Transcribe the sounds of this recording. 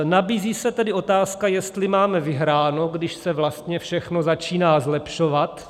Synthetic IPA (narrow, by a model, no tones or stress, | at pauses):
nabiːziːsɛt̪ɛdɪʔo̞t̪aːskajɛst̪lɪmaːmɛvɪɦɾaːno̞ɡdɪʃsɛvlast̪ɲɛfʃɛxno̞zat͡ʃiːnaːzlɛpʃo̞vat̪